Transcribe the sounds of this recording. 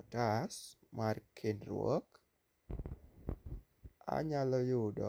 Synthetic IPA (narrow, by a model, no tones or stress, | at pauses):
tasmarkʰɪnrwɔ̰k | a̰ɲalɔjʊdɔ̰